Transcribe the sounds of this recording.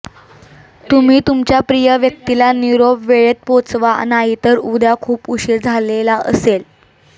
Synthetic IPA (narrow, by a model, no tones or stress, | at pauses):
t̪um̤iːt̪umt͡ɕjapɾijəʋjək̚t̪ilaniɾobʋeɭet̪̚pot͡sʋanaɦit̪əɾud̪akʰuːpuɕiɾd͡zʱalelaʔə̰sel